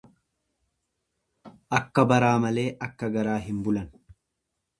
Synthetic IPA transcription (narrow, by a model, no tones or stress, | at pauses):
ʔɐkːɐbɐɾaːmɐle̞ːʔɐkːɐɡɐɾaːɦɪmbʊlɐn